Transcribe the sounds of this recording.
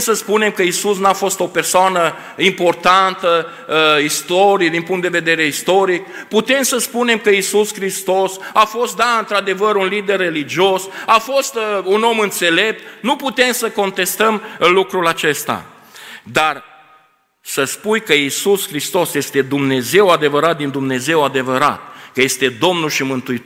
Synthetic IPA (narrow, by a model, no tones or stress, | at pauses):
səspune̞mkəisusnuafo̞st̪o̞pe̞rsoanə | impo̞rt̪ant̪ə | ist̪o̞ɾid̪inpuŋt̪d̪e̞ve̞d̪e̞ɾe̞ist̪o̞ɾik̚put̪e̞msəspune̞mkəisuskɾist̪o̞safo̞st̪̚d̪aɨnt̪ɾad̪e̞vəɾunlid̪e̞rːe̞lid͡ʒio̞safo̞st̪uno̞mɨnt̪se̞le̞p̚t̪nuput̪e̞msəko̞nt̪e̞st̪əmlukɾulat͡ʃe̞st̪a̰ | d̪ar | səspujkəisuskɾist̪o̞sjest̪e̞d̪umne̞ze̞wad̪e̞vəɾat̪̚d̪ind̪umne̞ze̞wad̪e̞vəɾa̰t̪̚kəje̞st̪e̞d̪o̞mnulʃimɨnt̪uit